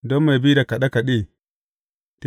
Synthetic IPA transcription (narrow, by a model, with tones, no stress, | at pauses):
do˦ma˨bi˦da˨ka˨ɗa˦ka˨ɗe˦ | t